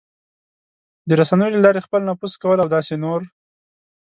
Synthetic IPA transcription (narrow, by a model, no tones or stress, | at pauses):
d̪əɾasanəjolalɑɾexpəlnɑpuskawəlawd̪ɑsenoɾ